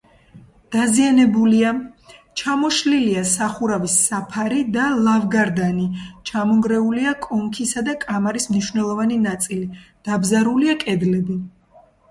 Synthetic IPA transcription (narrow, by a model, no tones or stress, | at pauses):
d̪̥azianɛbuliat͡ʃʰamɔʃliliasaχuɾavisːapʰaɾid̪alˠavɡaɾd̪anit͡ʃʰamɔŋɡɾɛuliakʼɔŋkʰisad̪akʼamaɾismniʃwvnɛlˠɔvaninat̪sʼilid̪̥abzaɾuliakʼɛd̪lɛbi